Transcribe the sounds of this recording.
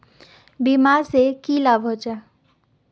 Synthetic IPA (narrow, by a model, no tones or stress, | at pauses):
bimaːɾsekiːlaːbʱɦot͡ʃa